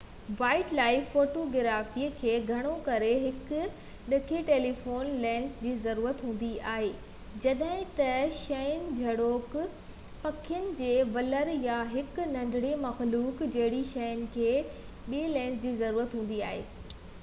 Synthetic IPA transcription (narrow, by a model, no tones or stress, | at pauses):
ʋaːɪʈlaːɪfːoːʈoɡɪɾaːfikʰeːɡʱɐɽ̃okɐɾeɦɪkʊ | ɗɐkʰeʈeːlifoːnlɛ̃ːnsd͡ʑiːzɐɾuːɾət̪ɦũːn̆d̪iaːɦeː | d͡ʑɐɗɦɪ̃t̪ɐʃɐjənɪ̆d͡ʑʱɐɽoːk | pɐkʰijənɪ̆d͡ʑeːʋɐləɾjaɦɪknɐ̃nd̪ʱɪɽemɐxluːkd͡ʑɐɦɪɽiʃɐjənɪ̆kʰeː | ɓiilɛ̃ːns̬d͡ʑiːzɐɾuːɾət̪ɦũːn̆d̪iaːɦḛː